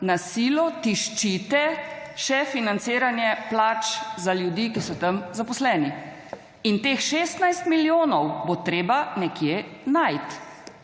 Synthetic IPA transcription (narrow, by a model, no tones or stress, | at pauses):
nasiːlɔt̪iʃt͡ʃit̪ɛʃɛfinant̪seːɾanjɛplaːt͡ʃzaljud̪iːkisɔt̪əmzapɔslɛːni | int̪eːxʃeːst̪najst̪miljoːnɔwbot̪ɾeːbanɛkjenajt̪